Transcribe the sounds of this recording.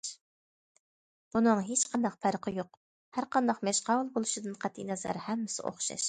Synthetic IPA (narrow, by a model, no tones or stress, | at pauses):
b̥unɨŋɦet͡ʃqʰɑnd̪ɑqpʰæɾqʰəjoq | hæɾqɑnd̪ɑqmɛʃqɑwlˠbolˠuʃid̪ɨnqʰæt̪ʰːḭnɑzɑ̰ɾhɛmːɪsɪ̰ʔo̰χʃɑ̰ʃ